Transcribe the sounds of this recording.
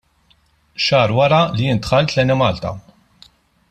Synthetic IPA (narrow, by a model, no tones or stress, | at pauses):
ʃɐːɾwɐɾɐlijɪnt̪xɐlt̪lɛnɛmɐːlt̪ɐ̰